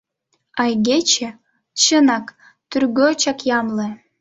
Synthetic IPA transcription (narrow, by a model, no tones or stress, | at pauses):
ɑjɣet͡ɕĕ | t͡ɕənɑk | t̪yrɣøt͡ɕɑkjɑmle